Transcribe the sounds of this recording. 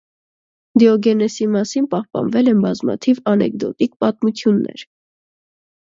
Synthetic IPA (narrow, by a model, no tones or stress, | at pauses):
d̪iɔɡɛnɛsimɑsinpɑhpɑ̰nvɛlɛnbɑzmɑ̰t̪ʰivɑnɛ̰k̚d̪ɔ̰t̪ik̚pɑt̪mut͡sʰjunːɛ̰ɾ